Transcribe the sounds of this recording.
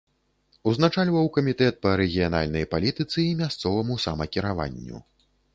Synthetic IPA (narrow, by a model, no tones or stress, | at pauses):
uznat͡ʂalʲvɐwkɐmʲit̪ɛt̪̚pɐɾɛɣʲijana̰lʲnɐjpalʲit̪ɨt̪sɨimʲast̪sɔvɐmusamɐkʲiɾava̰nʲːṵ